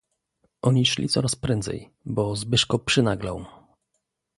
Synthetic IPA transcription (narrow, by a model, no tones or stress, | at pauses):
ʔɔɲiʂlʲḭtsɔɾaspɾɛnd̪zɛ̰j | bɔzbɘʂkɔpʂɘnaɡla̰w